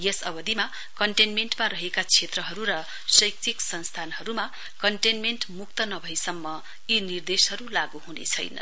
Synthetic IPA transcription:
jesʌbʌd̪ʱima | kʌɳʈenmeɳʈmaɾʌɦekat͡sʰet̪rʌɦʌɾuɾʌ | sʌjk̚t͡sʰiksʌnst̪ʰanɦʌɾuma | kʌɳʈenmenʈmuk̚t̪ʌnʌbʱʌjsʌmːʌ | inird̪eshʌɾulaɡuɦunḛt͡sʰʌ̰jnʌ̰

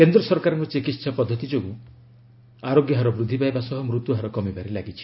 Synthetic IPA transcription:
kend̪ɾɔsɔɾkaɾɔŋkut͡ʃikit̪sɔpɔd̪ʱːɔt̪id͡ʒoɡu | aɾoɡjɔɦaɾɔbɾud̪ʱːipajbasɔɦɔmɾut̪uɦaɾɔkɔmibaɾelaɡit͡ʃʰi̥

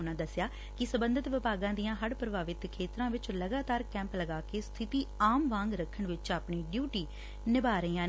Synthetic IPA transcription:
ʊnãːd̪əsjaː | kɪsəbənd̪ɪt̪ʋɪpaːɡãːd̪ijãːɦəɽpɾəbaːʋɪt̪kʰeːt̪ɾãːʋɪt͡ʃləɡaːt̪aːɾkɛ̃ːmpləɡaːkeːst̪ʰɪt̪iːaːmʋãːŋɡɾəkʰːəɳʋɪt͡ʃaːpɳiːɖjuːʈiː | nɪbaːɾəiːãː

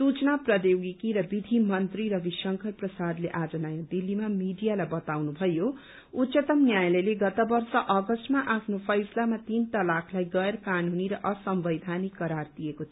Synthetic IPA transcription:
sut͡snaprʌd̪jowɡikiɾʌbid̪ʱimʌnt̪riɾʌbisʌŋkʰʌlprʌsad̪leʔad͡zʌnʌjad̪ilːimamiɖijalajbʌt̪awnubʱʌjo | ut̪ːsʌt̪ʌmnjajlʌleɡʌt̪ʌbʌrsʌʔʌɡʌsʈmaʔapʰnopʰʌjslamat̪int̪ʌlakʰlajɡʌeɾʌkanuniɾʌʔʌsʌmbʌjd̪ʱanikːʌɾard̪ijekot̪ʰ

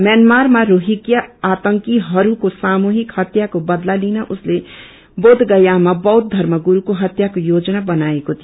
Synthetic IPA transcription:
mjanmaɾmaɾoɦikjaat̪əŋkiɦʌɾukosamuɦikhʌt̪jakobəd̪lalinaʔʊsle | bod̪ʱɡəjamabʌwd̪̚d̪ʱəɾməɡuɾukoɦʌt̪jakojod͡ʒnabənaekot̪ʰio

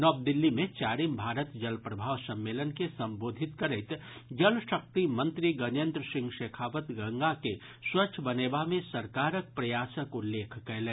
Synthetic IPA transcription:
nɔːb̚d̪ɪlːimẽt͡ʃaːɾimbʱaːɾət̪d͡ʒɐlpɾɐbʱaːʋsɐ̃mːeːlənkesɐ̃mboːd̪ʱɪt̪kɐɾet̪d͡ʒɐlʃɐk̚t̪imɐ̃nt̪ɾiɡɐnẽnd̪ɾəsɪ̃ŋɡʃeːkʰaːʋət̪ɡɐ̃ŋɡake | swɐʃʰəbɐneːbamẽsɐɾkaːɾək̚pɾɐjaːsəkʊlːeːkʰkɛlẽː

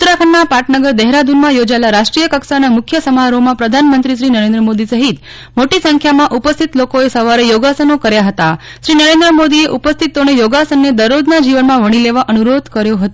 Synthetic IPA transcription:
ut̪ɾakʰənːapaʈnəɡəɾd̪ɛɦɾad̪ʱunmãjod͡ʒaelaɾaʃʈɾijəkəksanamʊkʰjəsəmaɾomãpɾəd̪ʱanmənt̪ɾiʃ̬ɾinəɾẽnd̪ɾəmod̪isəɦit̪ | moʈisəŋkʰjamãʔupəst̪ʰit̪lokoesəʋaɾejoɡasənokəɾjaɦət̪a | ʃɾinəɾend̪ɾəmod̪ieʔupəst̪ʰit̪ːonejoɡasənːed̪əɾod̪nad͡ʒiʋənmãʋəɽ̃ileʋaʔənuɾod̪ʱkəɾjoɦət̪o

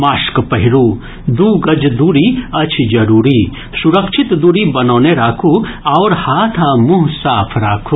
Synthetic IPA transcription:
maːʃkpɐɦɪɾuː | d̪uːɡɐd͡ʒd̪uːɾiɐt͡ʃʰd͡ʒɐɾuːɾiː | suɾɐkʃɪt̪d̪uːɾibɐnoːneɾaːkʰuaːɾhaːt̪ʰamuɦsaːpʰɾaːkʰuː

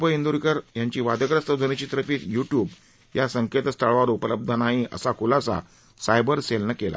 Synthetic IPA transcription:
pəind̪uɾikəɾjaɲt͡ɕiːʋad̪əkɾəst̪əd͡zʱənet͡ɕiːt̪əɾəfiːt̪juʈjuːb | jasəŋket̪əst̪ʰəɭʋaɾupələb̚d̪ʱənaɦĩʔə̰sakulasa̰ | sajbəɾselnəkela̰

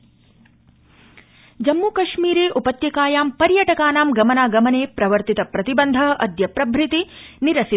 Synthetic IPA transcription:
d͡ʒɐmːuːkɐʃmiːɾeːʔupɐt̪jɐkaːjaːmpɐɾjɐʈɐkaːnaːmɡɐmɐnaːɡɐmɐneːpɾɐʋɐɾt̪it̪ɐpɾɐt̪ibɐnd̪ʱɐɦɐʔɐd̪jɐpɾɐbʱɾɪt̪i | niɾɐsi

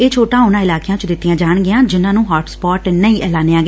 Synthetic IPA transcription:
eːt͡ʃʰoːʈãːʊnãːɪlaːkejãːt͡ʃd̪ɪt̪ːɪjãːd͡ʒaːɳɡɪjãːd͡ʒɪnãːnũːɦaːʈspɔːʈnəĩːʔɛːlaːneːãːɡe

